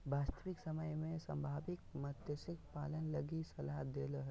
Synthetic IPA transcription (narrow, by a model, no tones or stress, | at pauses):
baːst̪əʋɪksɐməjmẽsɐ̰̃mbʱaːʋɪk̚mət̪jəsɪkpa̰ːlənlɐɡisɐlaɦd̪eːləɦ